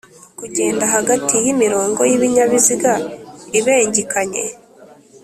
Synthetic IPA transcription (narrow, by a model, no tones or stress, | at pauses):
kuɟe̞ːndaɦaɡatijimiɾo̞ːŋɡojiβiɲaβiziɡaiβeːɲɟikʰaɲe̞̰